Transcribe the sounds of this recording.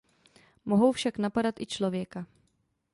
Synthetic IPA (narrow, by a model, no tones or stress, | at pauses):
moɦowfʃaknapadat̪ʔɪt͡ʃlovjɛka